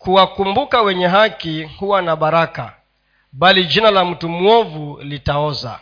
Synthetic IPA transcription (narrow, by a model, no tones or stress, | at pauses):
kuwakumbukawɛɲɛɦakihuwanaɓaɾaka̰ | ɓalid͡ʒinalam̩tumwɔvulitaɔza̰